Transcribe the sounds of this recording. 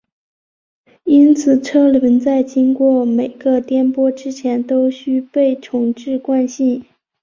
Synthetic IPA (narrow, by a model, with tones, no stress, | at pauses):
i˥nt͡sʰɹ̩˨˩ʈ͡ʂʰɤ˥lə˧˥nt͡sa˥˩ɪt͡ɕi˥ŋkwɔ˥˩me˨˩ɪɡ̥ə˧t̪jɛ˥npwɔ˥ʈ͡ʂɻ̩˥t͡ɕʰjɛ˧˥nt̪o˥ʊɕy˥pe˥˩ɪʈ͡ʂʰʊ˨˩ŋʈ͡ʂɻ̩˥˧kwa˥˧nɕi˥˩n